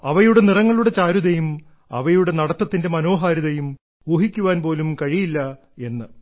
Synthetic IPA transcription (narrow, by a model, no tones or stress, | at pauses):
ɐʋɐjuɽe̞nirɐŋːɐɭuɽe̞t͡ɕaːɾuðɐjum | ɐ̰ʋɐjuɽe̞nɐɽɐt̪ːɐt̪ːinde̞mɐno̞ːɦaːɾiðɐjum | oːɦikʲːuʋaːnpo̞ːlumkɐɻijilːɐ | e̞nːɨ